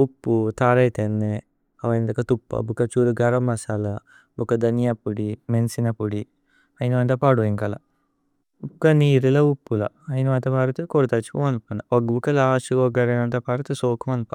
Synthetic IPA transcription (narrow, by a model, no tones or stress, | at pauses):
upːut̪aːɾɐjt̪enːe | ɐʋɐjnd̪ɐkɐt̪upːɐ̰bukɐt͡ʃuːɾuɡɐɾɐmːɐsalɐ | bukɐd̪ɐnijapːuɽimensinɐpuɽi | ɐjinɐʋɐnt̪ɐpaːɽuiŋkɐlɐ̰ | bukɐniːɾilɐupːulɐ̰ | ɐjnɐʋɐnt̪ɐpaːɾɐt̪ukoɾt̪at͡ʃu̥kumɐnpunɐɔɡbukɐlaʃuɡɔɡɐɾɐnɐnt̪ɐpaɾɐt̪esoːkʰɐmɐnpa